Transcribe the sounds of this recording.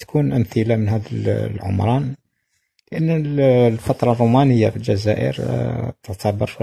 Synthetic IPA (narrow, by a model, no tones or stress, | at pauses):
t̪kʰunʔəmθəlamənɦæd̪lʕʊ̰mɾˤɑn | ləʔənːəllfɑt̪ˤɾˤɑrˤːumænəjːafilʒæzæʔə̰ɾt̪əʕt̪ʰɑbəɾ